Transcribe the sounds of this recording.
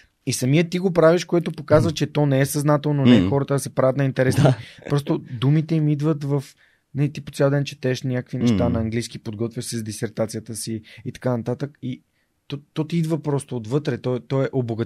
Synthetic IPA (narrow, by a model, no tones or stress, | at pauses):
isɐmiət̪iɡopɾaviʃkoɛt̪opokazvət͡ʃɛt̪ɔnɛɛsɐznat̪ɛlˠnonɛɛxɔɾət̪əd̪ɐsɛpɾavət̪nɐint̪ɛɾɛsipɾɔst̪od̪umit̪ɛimid̪vət̪vɐf | nɛlit̪ipot̪sʲjalˠd̪ɛnt͡ʃɛ̥t̪ɛːʃnʲakəkvinɛʃt̪anɐɐŋɡliskipod̪ɡɔt̪vʲjəsɛzd̪isɛɾt̪at̪sijət̪əsiit̪ɐ̥kanɐt̪at̪əki | t̪ɔt̪ɔt̪iid̪vəpɾɔst̪oːd̪vɤt̪ɾɛt̪ɔt̪ɔɛʔoboɡə